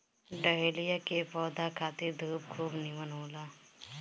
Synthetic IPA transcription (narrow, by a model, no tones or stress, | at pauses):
ɖəɦeːlijakepɔːd̪akʰaːt̪iɾd̪ʱuːb̚kʰuːbniʋənoːlaː